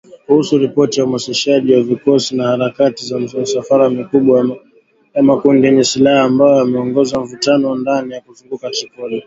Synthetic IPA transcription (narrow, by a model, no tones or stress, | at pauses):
kuhusuɾipɔtiaumasiʃaʄiwavikɔsinahaɾakatizamsafaɾamikuɓwa | jamakundinisilahaːmbajɔamɛɔŋɡɔzaɱ̩vutanɔndanijakuzuŋɡukat͡ʃikɔlɛ